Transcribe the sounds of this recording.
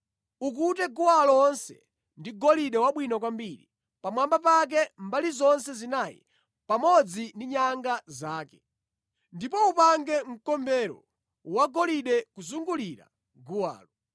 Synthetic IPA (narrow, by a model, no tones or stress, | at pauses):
uk̬utɛɡuwalɔɔːnsɛ̰ | ndiɡɔliɗɛwaɓwinɔkwambiɾḭ | pamwambapak̬ɛmbalizɔnsɛzinajḭ | pamɔd͡zindiɲaŋɡazaːkɛ | ndipɔupaŋɡɛŋ̩kɔmbɛɾɔ̰ | waɡɔliɗɛkuzuŋɡuliɾa̰ | ɡuwa̰ːlɔ